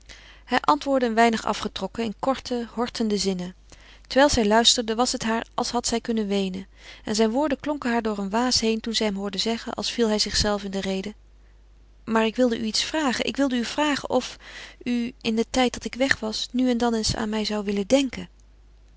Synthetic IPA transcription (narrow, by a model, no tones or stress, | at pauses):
hɛjʔɑntʋʊːɹdəːnʋɛjnəχɑ̰fχətrɔkəɪnkɔɹtʰəhɔɹtʰəndəzɪnə | təɹʋɛjlˠzɛjlœɥstəɹdəʋɑsɦətɦaːɹɑlˠsɦɑtsɛjkɵnənʋejnən | ɛnzɛjnʋʊːɹdəklɔŋkəɦaːɹdʊːɹənʋaːsɦejntunzɛjɦɛmɦʊːɹdəzɛχə̰nʔɑ̰lˠsfilˠɦɛjzɪχsɛlˠfɪndərejdə | maːɹɪkʋɪlˠdəʔyitsfraːχənʔɪ̰kʋɪlˠdəyv̥raːχə̰nʔɔfyɪndətɛjt̚dɑtɪkʋɛχʋɑsnyɛndɑnɪnsa̰ːnmɛjzɑwʋɪlədɛŋkə